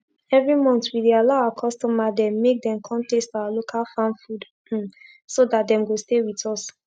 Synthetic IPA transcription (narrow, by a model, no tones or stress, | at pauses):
ɛvɹimɔ̃ntwidialaʊaakʰɔstɔmadɛ̃mːek̚dɛ̃mkʰɔ̃ntɛstawalokʰalfãnfud̩ | sodat̚dɛ̃mɡostewitɔs